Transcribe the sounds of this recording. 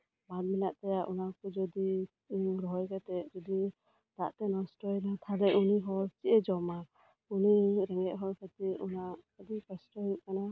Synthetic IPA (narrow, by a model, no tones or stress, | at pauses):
balmilaʔt̪ajaʔunakɔd͡ʒɔd̪i | ɾɔɦɔjkat̪ɛd͡ʒɔdi | d̪̥aʔt̪ɛnɔstɔlat̪ʰalɛʔuniɦɔɾt͡ʃiʔɛd͡ʒɔma | uniɾɛŋɛʔ̚ɦɔɾkʰat̪iunaad̪ipɛstɔɦɾuʔ̚kana